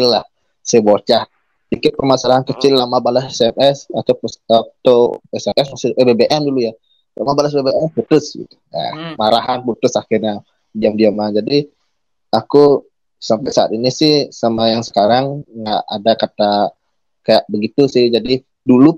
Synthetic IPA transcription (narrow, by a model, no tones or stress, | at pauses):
ɪlːah | sɛbot͡ʃah | bikɪt̪̚pərmasalaɦankət͡ʃɪlːamabalasɛsɛmɛsat̪awpsat̪awɛsɛmʔɛsmasɪebebeʔɛmduluja | la̰mabalas̬bebeʔɛmput̪ʊsɡḭt̪u̥ja̰maɾaɦanput̪ʊsahɪrɲa | diamdiamad͡ʒadi | aku | sampajsaa̰t̪inisɪhsamajaŋsə̥kaɾaŋŋɡa̰ʔadakat̪a | kajaʔbəɡit̪usɪhd͡ʒadi | dulu